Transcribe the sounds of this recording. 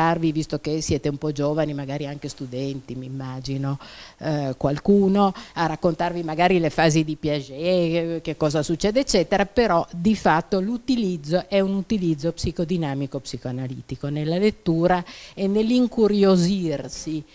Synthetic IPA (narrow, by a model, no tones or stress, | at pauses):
arvivist̪okesjɛːt̪eumpɔd͡ʒoːvanimaɡaːɾiaŋkest̪ud̪ɛnt̪imimːad͡ʒino | kwalkuːnoarakːont̪arvimaɡaːɾilefaːzid̪ipjad͡ʒɛkekːɔːzasut͡ʃːɛːd̪eːt͡ʃːɛːt̪eɾapeɾɔd̪ifat̪ːolut̪ilid̪zːoʔɛunut̪ilid̪zːopsikod̪inaːmikopsikoanalḭːt̪ikonelːalet̪ːuːɾaenːeliŋkuɾjozirsi